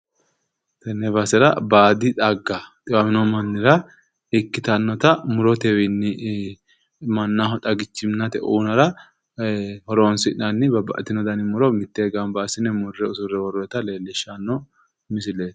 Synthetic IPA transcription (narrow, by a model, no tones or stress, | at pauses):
t̪ɛnːɛbɐsɛɾɐbaːd̪ɪt̪ʼɐɡːɐt̪ʼɪwamɪnɔmɐnːɪɾɐ | ɪkːɪt̪ɐnːɔt̪ɐmʊɾɔt̪ɛwɛnːɪ | mɐnːahɔt̪ʼɐɡɪt͡ʃːɪmnɐt̪ɛʔuːnɐɾɐ | hɔɾoːnsɪnɐnːɪbɐbɐ̰ʔt̪ːɪnɔd̪ɐnɪmʊɾɔmɪt̪ːeːɡɐmbaːsɪnɛmʊrːɛʊsʊɾɛwɔɾɔɛt̪ɐle̞ːlːɪʃːanːɔ | mɪs̬ɪleːs